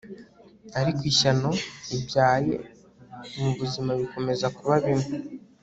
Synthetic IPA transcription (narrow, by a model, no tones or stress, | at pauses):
aɾikwiːʃano̞ibjaːje̞̰ | muβuzimaβiko̞me̞zakuβaβine